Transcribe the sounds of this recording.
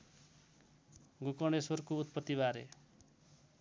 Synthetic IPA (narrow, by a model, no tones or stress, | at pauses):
ɡukʌɳɖeswʌrkout̪̚pʌt̪ːiβaɾe